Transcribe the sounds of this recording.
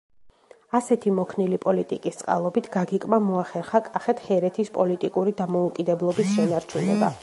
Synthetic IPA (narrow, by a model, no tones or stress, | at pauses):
asɛt̪ʰimɔkʰnilipʼɔlit̪ʼikʼist̪sʼqʼa̰lˠɔbit̪ʰɡ̥aɡikʼmamɔaχɛɾχakʼaχɛt̪ʰhɛɾɛt̪ʰispʼɔlit̪ʼikʼuɾid̪amɔukʼid̪ɛblˠɔbisʃɛnaɾt͡ʃʰunɛba̰